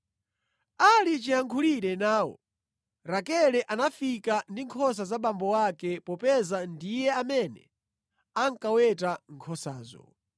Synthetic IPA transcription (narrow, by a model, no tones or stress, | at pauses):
alit͡ʃiaŋkʰuliɾɛnaːwɔ̰ | ɾakɛlɛʔanafikandiŋkʰɔs̬azaɓambɔwakɛpɔpɛzandijɛamɛnɛ̰ | aŋkawɛtaŋkʰɔsaːzɔ̰